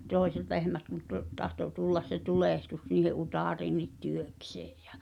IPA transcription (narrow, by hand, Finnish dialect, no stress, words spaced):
toˑi̞set lehmæt kun to tɑhto tulːɑs se tuleˑhtus niːhe ʔutɑˑriːnˑit tyøkse̥ː j̊æ̥